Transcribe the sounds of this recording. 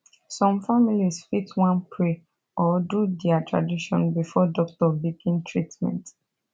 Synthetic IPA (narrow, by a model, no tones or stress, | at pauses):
sɔ̃mfamilisfitwãnpʰɹe | ʔɔdudɛatɹa̰diʃɔ̃nbifɔdɔk̚tɔbikĩntʰɹitmɛ̰̃nt